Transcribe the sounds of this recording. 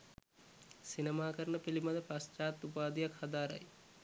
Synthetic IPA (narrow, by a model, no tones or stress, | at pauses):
sinemaːkəɾnəpilimɐd̪əpast͡ʃaːt̪ːupaːd̪ijakhad̪aːɾa̰j